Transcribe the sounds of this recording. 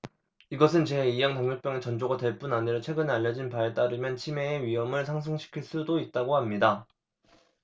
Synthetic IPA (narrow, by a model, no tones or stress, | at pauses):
iɡʌsʰɯnt͡ɕe̞ijaŋtaŋɲok̚p͈jʌŋe̞t͡ɕʌnd͡ʑoɡadwe̞ɭp͈unaɲiɾʌt͡ɕʰwe̞ɡɯnaʎːʌd͡ʑinpaet͈aɾɯmjʌnt͡ɕʰime̞ːɥiɦʌmɯɭsʰaŋs̬ʰɯŋɕʰi̥kʰiɭs͈udoit̚t͈aɡohamɲida